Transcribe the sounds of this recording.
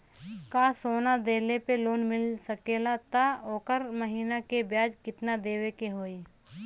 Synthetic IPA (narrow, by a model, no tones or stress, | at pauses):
kaːsoːnad̪eːlepeloːnmɪlsəkeːlat̪aoːkəɾməɦiːnakebjaːd͡ʒkɪt̪nad̪eːwekeɦoːiː